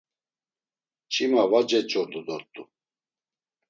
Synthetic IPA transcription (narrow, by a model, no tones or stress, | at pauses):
t͡ʃʰʼimavad͡ʒɛt͡ʃʼɔɾd̪ɔd̪ɔɾt̪ʼu